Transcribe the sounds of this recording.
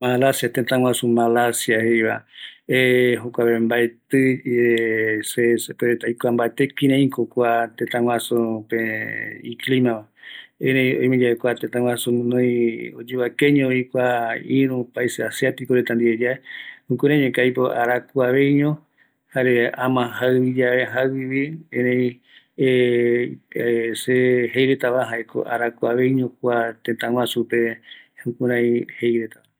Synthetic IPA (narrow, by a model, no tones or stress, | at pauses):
malasjat̪ẽt̪ãw̃ãsũmalasjahejβa̰eɦokʷaβembaet̪ɨ | sesepeɾet̪ajkʷambaet̪ekĩɾẽĩkokʷat̪ẽt̪ãwʷãsupeiklimãβaeɾẽj̃õj̃mẽd͡ʒaekʷat̪ẽt̪ãw̃ãsunõj̃o̰d͡ʒeβakeɲõikʷaĩɾũpaiseasiat̪ikoɾet̪and̪ied͡ʒaeũkũɾãj̃ɲẽkajpoʔa̰ɾakuaβe̞jɲõ | haɾeãmãɦaɨβid͡ʒaβeɦaiβiẽɾẽĩ | e | seɦejɾet̪aβaɦaeko̰ʔaɾakuaβe̞jɲõkuat̪et̪ãw̃ãsupeũkũɾãj̃hejɾet̪aβa